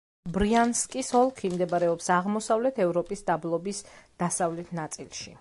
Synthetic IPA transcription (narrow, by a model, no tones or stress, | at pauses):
bɾianskʼisɔlˠkʰimd̪ɛbaɾɛɔpsaʁmɔsavlɛt̪ʰɛvɾɔpʼisd̪ablˠɔbisd̪̥asavlɛt̪ʰnat̪sʼilˠʃḭ